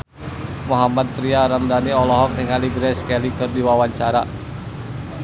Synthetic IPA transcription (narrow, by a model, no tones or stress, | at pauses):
moɦamad̪̚t̪ɾiaɾamdaniɔlɔɦɔk̚nɪŋaliɡɾɛskɛlikərdiwawaɲt͡ʃaɾa